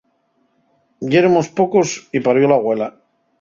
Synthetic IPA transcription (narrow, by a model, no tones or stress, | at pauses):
jeɾomospoko̞sipaɾβjolaɣwe̞la